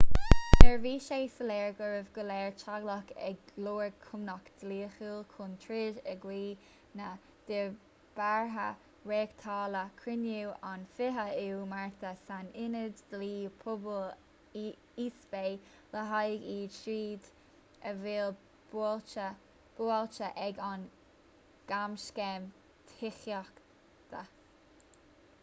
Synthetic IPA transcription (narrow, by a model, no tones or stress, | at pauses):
d̥ɛɹviːʃeːsəlɛːɹɡəɹəvɡəlɛːɹt͡ʃʰaɡlɔkɛ̰ɡloːɹkʰʊmnɔkd̪̥liːxuːlkʰʊnt̪ʰɹɪʒɛɡwiː | na | d̪̥ɪ | b̥aɹɦə | ɹeːkt̪ʰɑːləkʰɹɾɪnuʔanfɪɦəuwmaɹt̪ʰəsanɪnədd̪liːpʰʊbəl | iːsbej | ləɦajɡiːdʃiːd̪ | əvɪl | t͡ʃə | b̥ualt͡ʃəʔɛɡan | ɡ̥amʃkɛm | t̪ʰɪxjɔk | t̪ʰə